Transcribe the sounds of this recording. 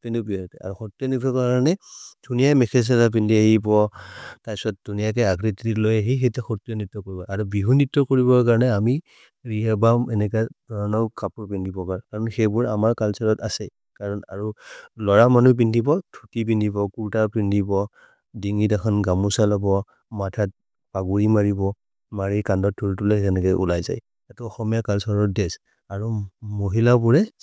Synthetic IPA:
pɛndubiɔtɛa̰ɹuxɔtːijɔnitɔkaɹɔnɛdʱunijajmɛkʰɛs̬alap̬indʱiaɦibɔtajsɔt̚dʱunijakɛaɡɹititilojɛɦejxetɛxɔtijɔnitːɔkoɹibɔʔaɹubiɦunitːɔkoɹibɔkaɹɔnɛami | ɹiɦabamɛnɛkadɔɹɔnɔkapuɹpindʱibɔkaɹɔnkaɹɔnxɛbuɹamaɹkalsaɹɔtasɛ | kaɹɔna̰ɹulɔɹamanup̬indibɔtʰutip̬indʱibɔkuɹtapɹindibɔ | diŋitakʰɔnɡamusalɔbɔ | matʰat̚ | paɡuɹimaɹibɔ | maɹikandɔtʰːoɹitulɛzɛnɛkɔjʔṵlajza̰j | atuɔxɔmijakalsɔɹɔtdɛs | aɹumoɦilabuɹɛ

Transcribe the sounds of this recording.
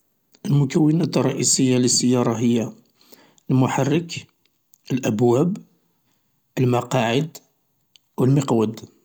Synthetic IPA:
ʔəlmʊkæwːənæt̪rˤːɑʔisəjːaləsːəjːɑɾˤɑɦəjːa | lmʊħarːək | əlʔæbwæb | ʔəlmɑqɑʕəd̪ | wəlməqwəd̪

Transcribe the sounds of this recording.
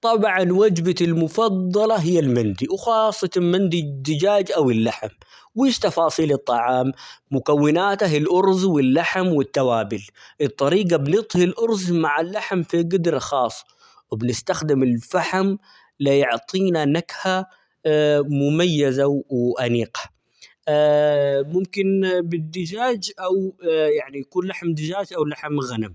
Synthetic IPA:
t̪ˤɑbʕɑnwad͡ʒbaɪlmʊfɑd̪ˤːɑlɑɦɪjːalmɪnd̪iwxɑːsˤːɑt̪mand̪id̪ːɪd͡ʒaːd͡ʒʔawɪlːaħm | wiːʃt̪ɑfɑːsˤiːlɨt̪ˤːɑʕɑːmːʊkawːɪnaːt̪aɦɪlʔʊɾzwɪlːaħmwɪt̪ːawaːbɪlʔɨt̪ˤːɑɾiːɡabnɪt̪ˤhɪlʔʊɾzmaʕalːaħmfiɡɪd̪ɾɑxɑːsˤː | wɪbnɪst̪axd̪ɪmɪlfaħam | lɪjʊʕt̪ˤʰiːnanakha | mʊmajːazawɪʔaniːɡḁ | mʊmkɪnbɪd̪ːɪd͡ʒaːd͡ʒʔawjaʕnijakuːnlaħmd̪ɪd͡ʒaːd͡ʒʔawlaħmɣanam

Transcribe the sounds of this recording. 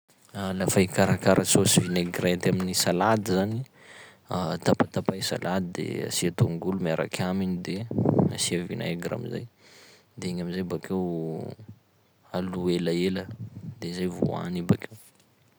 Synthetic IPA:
lafajkaɾakaɾasosivineɡɾat̪aminisalad̪izani | at̪apat̪apajsa̰lad̪id̪ḛa̰siat̪oŋɡulumaɾa̰kʲʰaminid̪ea̰siavina̰eɡɾa̰miza̰j | d̪eŋamizajbakew | aluelaeləd̪ezajvṵa̰nibakew

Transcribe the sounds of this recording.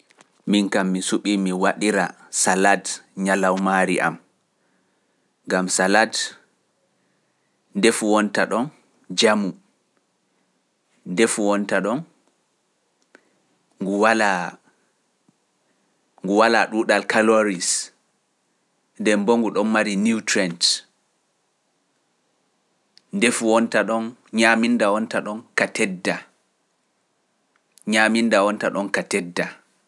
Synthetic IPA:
miŋkamːisuɓimiwaɗiɾa | saladɲalawmaɾḭʔa̰m | ŋɡamsalad | ndefuwɔntaɗɔn | d͡ʒamu | ndefuwɔntaɗɔn | ŋɡuwala | ŋɡuwalaɗuɗalkaloɾis | dɛmboŋɡuɗɔnmaɾinitɾɛnt | ndefuwɔntaɗɔnɲamindawɔntaɗɔnkatɛdːa | ɲamindawɔntaɗɔnkatɛdːa

